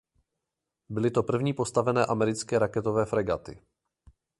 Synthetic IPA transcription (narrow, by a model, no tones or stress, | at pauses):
bɪlɪt̪o̞pr̩vɲiːpo̞st̪avɛnɛːʔamɛɾɪt͡skɛːɾakɛt̪ovɛːfɾɛɡa̰t̪ɪ̰